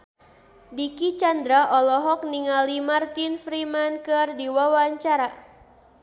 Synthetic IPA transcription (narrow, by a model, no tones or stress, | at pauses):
dikit͡ʃand̪ɾaʔɔlɔɦɔk̚niŋalimart̪infɾimankɨrdiwawaɲt͡ʃaɾa